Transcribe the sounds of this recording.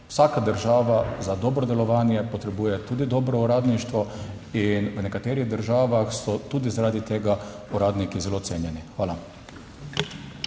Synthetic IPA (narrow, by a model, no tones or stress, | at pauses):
w̥saːkad̪əɾʒaːʋazad̪ɔːbɾɔd̪ɛlɔʋaːnjɛpɔt̪ɾɛbuːjɛt̪uːd̪id̪ɔːbɾɔuɾaːd̪niʃt̪ʋɔ | inwnɛkat̪eːɾiɣd̪əɾʒaːʋaxsɔt̪uːd̪izaɾaːd̪it̪eːɡa | uɾaːd̪nikizɛlot̪seːnjɛnixʋaːla